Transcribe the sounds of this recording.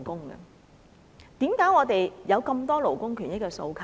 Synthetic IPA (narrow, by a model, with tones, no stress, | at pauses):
kʊ˥ŋɡɐ̰˧ | t̪iː˨˥mkaː˨˥jɔː˨˧t̪e˨jjɐ˨˧wkɐ˧mt̪ɔː˥lo˨˩wkʊ˥ŋkʰy˨˩njɪ˥kːɛː˧so˧wkʰ